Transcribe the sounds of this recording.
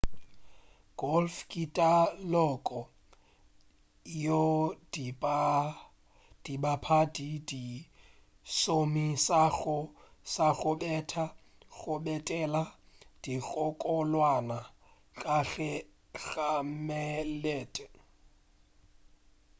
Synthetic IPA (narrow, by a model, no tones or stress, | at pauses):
ɡ̥ɔlfkʼitʼalɔkʼɔ | jodi | d̥ibapʰadidi | somisaɣʊsaɣʊbɛtʰa | ɣʊbɛtʼɛla | d̥ikʼɔkʼɔlwana | kʼaɣɛ | ɣamɛlɛːtʼɛ